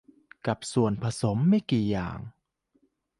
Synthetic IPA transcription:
ka˨˩p̚su˨˩ənpʰa˧so˩˦mːa˥˩jkiː˨˩ja̰ː˨˩ŋ

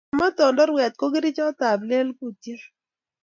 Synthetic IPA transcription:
mɔ˦t̪ɔ˨ndɔ˦ɾwɛ˨t̪̚ko˦ɡi˦ɾi˦t͡ʃɔ˦t̪a˨ble˦lku˦ti˦

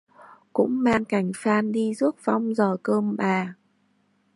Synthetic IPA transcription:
kʊ̰˧˥ŋ͡mmaː˧nka˨˩jŋ̟faː˧nɗi˧zu˦˥ət̚va˧wŋ͡mzɔː˨˩kəː˧mɓaː˨˩

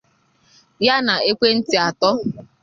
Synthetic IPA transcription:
ja˦na˨e˦kʷe˦n̩˦tɪ˦a˨tɔ˦

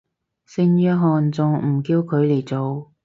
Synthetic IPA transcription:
sɪ˧ŋjœː˧ɦɔː˨˧nt͡sʊ˨ŋm̩˨˩kiː˧wkʰɵ˨˧ɥle˨˩jt͡so˨w

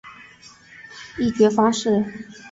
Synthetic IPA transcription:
i˥˩t͡ɕɥɛ˧˥fɑ˥ŋʂɻ̩˥˩

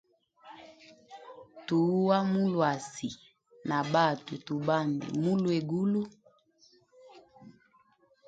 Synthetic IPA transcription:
tu˨˦wa˦mu˦lwa˨si˨ | na˨ba˦˨tu˨tu˨ba˦˨ndḭ˨mu˦lwe˨ɡu˦lu˦

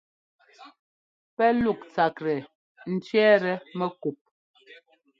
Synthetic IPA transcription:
pɛ˦lu˦˨k̚t͡sa˨kɾɛ˨ | n̩˦t͡ʃɥɛ˦ɾɛ˨mɛ˦ku˨p̚

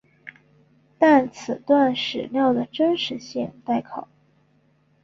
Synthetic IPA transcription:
t̪a˥˩nt͡s̩ʰ˨˩t̪wa˥˩nʂɻ̩˨˩ljɑ˥˩ʊd̪ə˩ʈ͡ʂə˥nʂɻ̩˧˥ɕi˥˧ŋt̪a˥˩ɪkʰɑ˨˩˦ʊ

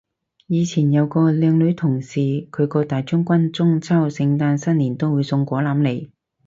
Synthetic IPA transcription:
jiː˨˧t͡sʰiː˨˩njɐ˨˧wkɔː˧lɛː˨˧ŋlɵ˨˧ɥt̪ʰʊ˨˩ŋsiː˨kʰɵ˨˧ɥkɔː˧t̪aː˨jt͡ʃʊ˥ŋkʷɐ˥nt͡sʊ˥ŋt͡sʰɐ˥wsɪ˧ŋt̪aː˧nsɐ˥nliː˨˩nt̪o˥wuː˨˧˥jsʊ˧ŋkʷɔː˨˥laː˨˧˥mle˨˩j

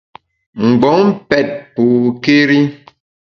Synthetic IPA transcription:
ŋ̩˨ɡ͡bɔ˨˦ŋ˦pɛ˦˨t̚po˨ke˦ɾi˦

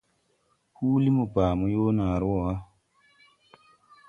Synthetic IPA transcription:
huː˦li˦mu˨paː˨mu˦jo˦naː˨ɾwɔ˨wa˦

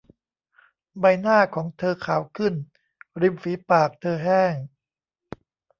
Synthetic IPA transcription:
ba˧jnaː˥˩kʰɔː˩˦ŋt̪ʰɤː˧kʰaː˨˩˦wkʰɯ˥˩n | ɾi˧mfiː˩˦paː˨˩k̚t̪ʰɤː˧ɦɛː˥˩ŋ

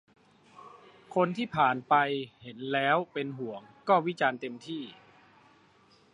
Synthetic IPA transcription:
kʰo˧nt̪ʰiː˥˩pʰaː˨˩npa˧jhe˩˦nlɛː˦˥wpe˧nɦu˩˦əŋkɔː˥˩wi˦˥t͡ɕaː˧nt̪e˧mt̪ʰiː˥˩

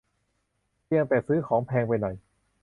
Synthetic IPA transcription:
pi˧əŋt̪ɛː˨˩sɯː˦˥kʰɔː˩˦ŋpʰɛː˧ŋpa˧jnɔ˨˩j

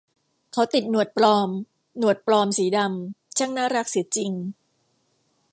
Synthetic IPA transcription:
kʰa˦˥wt̪i˨˩t̪̚nu˨˩ət̪̚plɔː˧m | nu˨˩ə˩t̪̚plɔː˧msiː˩˦da˧mt͡ɕʰa˥˩ŋnaː˥˩ɾa˦˥k̚si˨˩˦t͡ɕi˧ŋ

